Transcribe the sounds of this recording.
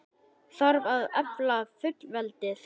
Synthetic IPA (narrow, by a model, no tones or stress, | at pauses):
θaɾvaðɛplafʏt̪lvɛlt̪ɪθ